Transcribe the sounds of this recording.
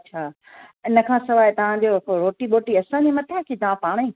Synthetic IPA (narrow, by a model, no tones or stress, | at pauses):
ɐtːt͡ɕʰaː | ɪnə̆kʰãːsɐʋaːjt̪ɐʋ̤ãd͡ʑoːɾoːʈiɓoːʈiɐsãːɲd͡ʑimɐt̪ʰakʰit̪ɐʋ̤ãpaːɽ̃ĩː